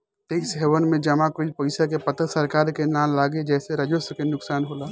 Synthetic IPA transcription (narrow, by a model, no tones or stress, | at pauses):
t̪eːksɦeʋənmẽd͡ʒɐmakoipɐɪsak̬epət̪əsəɾkaːɾkenaːnlaːɡed͡ʒɛːseɾəd͡ʒoskenʊksaːnɦoːlaː